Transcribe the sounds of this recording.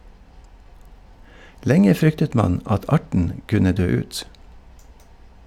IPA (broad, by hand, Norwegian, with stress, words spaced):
ˈlɛŋə ˈfɾʏktət ˈmɑn ˈɑt ˈɑʈɳ̩ ˈkʉnə ˈdøː ˈʉːt